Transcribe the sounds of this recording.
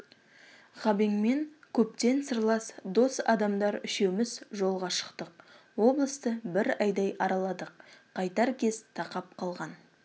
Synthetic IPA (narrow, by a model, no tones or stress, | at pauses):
ʁɑbeŋme̞ŋkʲʰɵpt̪e̞nsəɾlˠɑsd̪o̞sɑ̰d̪ɑmd̪ɑɾʏʃewmɪzʒo̞lˠʁɑʃə̥qt̪əq̚ | wo̞blˠəst̪əbɪɾɑjd̪ɑjʔɑɾɑlˠɑd̪əq̚qʰːɑjt̪ɑɾkʲʰe̞zt̪ʰɑqɑp̚qʰɑlˠʁɑn